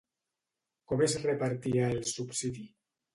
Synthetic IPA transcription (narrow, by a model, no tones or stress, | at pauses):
komesrepaɾt̪iaelsupsiði